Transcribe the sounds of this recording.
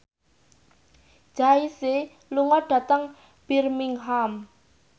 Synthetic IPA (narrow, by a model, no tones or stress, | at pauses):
d̥ʒ̥aise | luŋɔɖ̥a̤t̪əŋ | b̥irmiŋɦam